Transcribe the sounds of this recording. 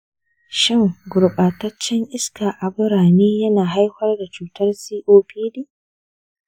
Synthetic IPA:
ʃɪ˦ŋɡʊ˨ɾɓaː˨tɐ˦t͡ʃːɛ˦ŋʔɪ˦skaː˨ʔa˨bʊ˦ɾaː˨niː˦jɐ˦naː˨ɦa˦jɸɐ˦rda˨t͡ʃuː˨tʰɐ˦rsiː˦ʔoː˦piː˦diː˦

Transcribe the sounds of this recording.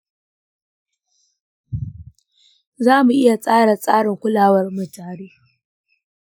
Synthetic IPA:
zaː˦mu˨ʔɪ˦ja˨sʼaː˦ɽa˨sʼaː˦ɽɪ˨ŋkʷʊ˦laː˨wɐ˦rmʊ˨d͡ʒaː˨ɽiː˦

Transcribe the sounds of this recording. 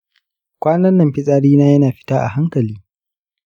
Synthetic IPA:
kʷaː˦nɐ˦nːɐ˨mɸɪ˦sʼaː˦ɽiː˦naː˦jɐ˦naː˨ɸɪ̥˦taː˦ʔa̰˨ɦa˦ŋkɐ˨liː˦

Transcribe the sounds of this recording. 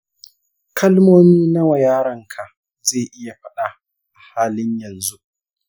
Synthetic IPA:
kʰɐ˦lmoː˦miː˦na˦wa˨jaː˦ɽɐ˦ŋkʰa˨ʔ | zeː˦˨ʔɪ˦ja˨ɸɐ˦ɗa˨ | ʔa˨haː˦lɪ˦ɲjɐ˨nzu˦ʔ

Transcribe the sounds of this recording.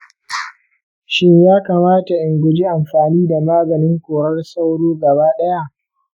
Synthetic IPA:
ʃɪ˦ɲjaː˦kaː˨maː˦ta˨ʔɪ˨ŋɡʷʊ˨d͡ʒi˦ʔa˨mɸaː˨niː˦da˨maː˦ɡɐ˨nɪ˦ŋkʷoː˨ɽɐ˦rsa˦wɽoː˦ɡɐ˨baː˦ɗɐ˦ja˦ʔ

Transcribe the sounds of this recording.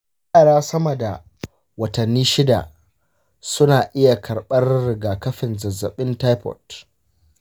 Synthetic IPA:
a˦ʔa˨ɽaː˦sɐ˦mɐ˨da˨ | wɐ˨tɐ˨nːiː˦ʃɪ˦da̰˨ | sʊ˦naː˨ʔɪ˦ja˨kʰɐ˨ɽɓɐ˦rːɪ˨ɡaː˨kɐ˦ɸɪ˨nzɐ˨zːɐ˨ɓɪ˦ntaː˦jpɔ̰˨t

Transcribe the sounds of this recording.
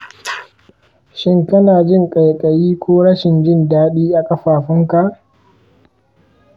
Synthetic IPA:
ʃɪ˦ŋkɐ˦naː˨d͡ʒɪ˦ŋkʼa˨jkʼɐ˨jiː˦kʷoː˦ɽɐ˦ʃɪ˨nd͡ʒɪ˦ndaː˦ɗiː˦ʔa˨kʼɐ˦ɸaː˨ɸɪ˦ŋka˨ʔ

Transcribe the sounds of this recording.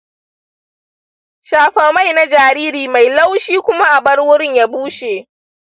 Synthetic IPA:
ʃaː˨ɸɐː˨ma˦˨jna˦d͡ʒaː˨ɾiː˦ɾiː˨ma˨jla˦wʃiː˦kʷʊ˦ma˦ʔa˨bɐ˦ɽwʊ˦ɽɪ˦ɲja˦buː˦ʃeː˨ʔ

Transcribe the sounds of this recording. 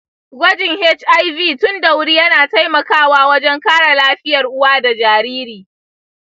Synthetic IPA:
ɡʷɐ˦d͡ʒɪ˨ŋhɛ˦t͡ʃʔa˦jviː˦˨tʊ˦ndɐ˨wɽiː˦jɐ˦naː˨ta˦jmɐ˨kaː˦waː˦wɐ˦d͡ʒɛ˦ŋkaː˦ɽa˨laː˦ɸɪ˦jɐ˨rʔʊ˦waː˦da˨d͡ʒaː˨ɾiː˦ɾiː˨

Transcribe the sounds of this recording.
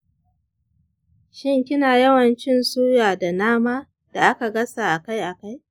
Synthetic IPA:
ʃɪ˦ŋkʲɪ˦naː˨jɐ˦wɐ˨nt͡ʃɪ˦nsuː˦jaː˨da˨naː˦maː˦ | d̥a˨ʔa˦ka˨ɡɐ˦sa˨ʔa˨ka˦jʔa˨ka˦j

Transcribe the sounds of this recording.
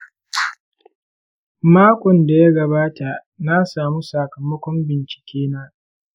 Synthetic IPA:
maː˦kʷʼɔ˨nda˨ja˦ɡɐ˨baː˦ta˨ | na˦saː˨mu˦sa˨kɐ˨mɐ˦kʷɔ˦mbɪ˨nt͡ʃɪ̥˨kʲeː˦naː˦

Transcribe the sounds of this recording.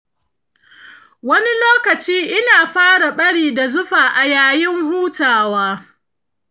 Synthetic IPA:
wɐ˦ni˦loː˦kɐ˨t͡ʃiː˦ʔɪ˦naː˨ɸaː˦ɽa˨ɓɐ˦ɽiː˨da˨zʊ˦ɸaː˨ʔa˨jaː˨jɪ˦ŋhuː˦taː˨waː˦

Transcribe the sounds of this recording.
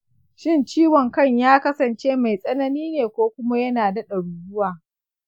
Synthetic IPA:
ʃɪ˦nt͡ʃiː˦wɔ˨ŋkɐ˦˨ɲjaː˦kɐ˦sɐ˨nt͡ʃeː˦ma˨jsʼɐ˦nɐ˦niː˦neː˨kʷoː˦kʷʊ˦ma˦jɐ˦naː˨dɐ˦ɗɐ˨ɽuː˨jʊ˦waː˨

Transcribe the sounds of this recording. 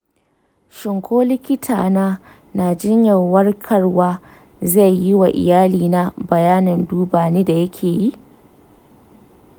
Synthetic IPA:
ʃɪ˨ŋkʷoː˦lɪ˦kʲɪ˦tʰa̰ː˨naː˦ | naː˨d͡ʒɪ˦ɲjɐ˨wɐ˦rkʰɐ˦rwaː˦ | za˦˨jːɪ˦wa˨ʔɪ̰˨jaː˦liː˨na˦bɐ˨jaː˦nɪ˨nduː˦baː˨neː˦da˨jɐ˦kʲʰeː˨ji˦ʔ

